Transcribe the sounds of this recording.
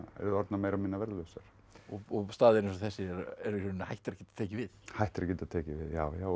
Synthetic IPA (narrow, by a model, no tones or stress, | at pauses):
ɛ̰ɾðɔɾt̪nameːjɾamiːnavɛɾðlœsaɾ̥ | ɔɔst̪aːðɪɾɪnsɔθɛsːɪɛɾɛɾʏɾnahajht̪ɪɾacɛːt̪ḁt̪ʰeːjcɪvɪðhajht̪ɪɾacɛːt̪aðt̪ʰɛːcɪvɪðjaːwjaːw